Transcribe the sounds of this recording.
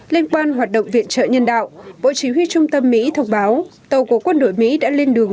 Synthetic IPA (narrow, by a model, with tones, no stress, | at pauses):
li˧ənkwaː˧nɦwaː˨˩t̚ɗə̰˧˨wŋ͡mvḭ˧˨ənt͡ɕə̰ː˧˨ɲə˧nɗa̰ː˧˨wɓo̰˧˨t͡ɕi˨˦ɦwi˧t͡ɕʊ˧ŋ͡mt̪ə˧mːḭ˧˥t̪ʰə˧wŋ͡mɓaː˨˦wt̪ə˨˩wko˨˦kwə˧nɗo̰˧˨jmḭ˧˥ɗa̰ː˧˥li˧ənɗɨ˨˩əŋ